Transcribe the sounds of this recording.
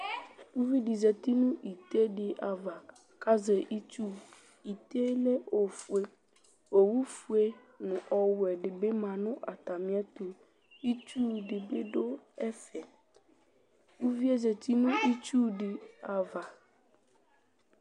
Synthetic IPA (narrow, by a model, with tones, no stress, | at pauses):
wu˦vi˦ɖi˨zɛ˨t̪i˦nũ˦ʔi˨t̪e˦ɖɪ˨ʔa˨va˨ | ka˦ze˨ʔi˦t͡ʃu˦ | i˨t̪e˦le˦ʔo˨fu˨e˨ | o˨wu˦fu˨e˦ | nʊ̃˨ʔɔ˨wʊ˨ɛ˨ɖɪ˨be˦mã˨nʊ̃˦ʔa˨t̪a˨mĩ˦ɛ˦t̪o˨ | i˦t͡ʃu˦ɖɪ˨be˦ɖo˦ɛ˦fɛ˨ | wu˦vi˦e˦zɛ˨t̪i˦nũ˦i˦t͡ʃu˦ɖɪ˨a˨va˨